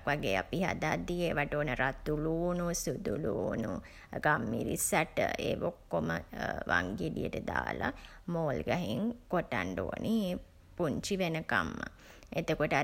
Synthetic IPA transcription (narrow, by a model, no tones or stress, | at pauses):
kʋaɡeːapiɦa̰d̪aːd̪ieːʋaʈoːnəɾat̪uluːnusud̪uluːnu | ɡamːḭɾḭsaʈə̰eːʋokːoməʋʔaŋɡeɖijəʈəd̪aːla | moːlɡaɦiŋkoʈaɳɖo̰ːnʔi | puɲt͡ʃiʋenəkamːə̰ | et̪əkoʈə